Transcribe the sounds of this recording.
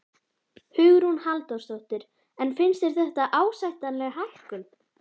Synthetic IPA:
hʏɣɾunhalt̪ɔst̪ɔht̪ɪɾ̥ | ɛnfɪnst̪ɛɾ̥θɛht̪aʔaːwsajht̪anlɛɣhah̪kʏl

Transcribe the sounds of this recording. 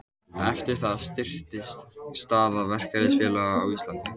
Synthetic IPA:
ɛft̪ɪɾ̥θaðst̪ɪr̥t̪ɪst̪st̪aːðavɛr̥kaɾɪsfjɛːlaɣawist̪lant̪ɪ

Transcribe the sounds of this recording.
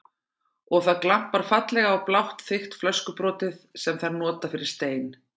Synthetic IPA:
ɔɣθaðklam̥paɾ̥fat̪lɛɣaːwplawht̪θɪxt̪flœskʏpɾɔːt̪ɪðsɛmθaɾnɔːt̪afɪɾɪɾ̥st̪eːjn

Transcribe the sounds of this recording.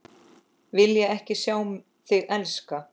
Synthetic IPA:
vɪljɛɣɛhcɪsjaːwm | θɪɣɛlska

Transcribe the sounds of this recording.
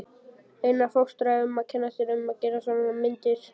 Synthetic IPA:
ejnafowkst̪ɾaʏmaðcʰɛnːast̪ɪɾʏmaðcɛːɾasvananamɪnt̪ɪɾ̥

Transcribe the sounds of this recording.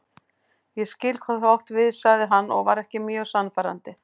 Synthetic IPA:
jɛscɪlkhɔðθawht̪vɪðsaɣðɪɦanːɔ̰ɣvaɾɛhcɪmjœːɣsanːfaɾa̰nt̪ɪ

